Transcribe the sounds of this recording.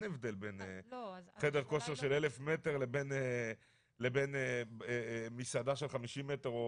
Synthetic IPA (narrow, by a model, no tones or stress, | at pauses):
nevd̪elbeneχedeʁko̞ʃeʁʃelelefmeteʁlebene | leben | misad̪aʃelχamiʃimːeteʁo